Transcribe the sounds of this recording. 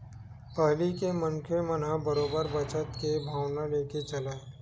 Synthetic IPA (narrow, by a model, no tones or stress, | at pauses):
pəɦlikeməŋkʰemənɦãbəɾoːbəɾbət͡ʃət̪kebʱaːwnaleːket͡ʃɐlaːe